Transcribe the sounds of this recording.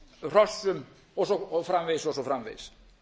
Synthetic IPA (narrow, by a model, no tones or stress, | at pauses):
r̥ɔsʏm | ɔsɔɔfɾamvejsɔsɔfɾamvḛjs